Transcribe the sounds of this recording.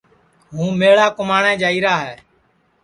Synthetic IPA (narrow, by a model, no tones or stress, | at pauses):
ɦũːmeːɭaːkʊmaːɳɛ̃ːd͡ʒaːiːɾaːɦɛː